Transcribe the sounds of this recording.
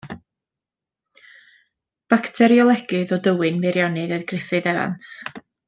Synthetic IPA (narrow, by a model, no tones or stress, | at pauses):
b̥aktʰɛɾjɔlˠɛɡɨðɔdəwɨnmɪɾjɔnɨðəðɡrɪfɨðɛva̰ns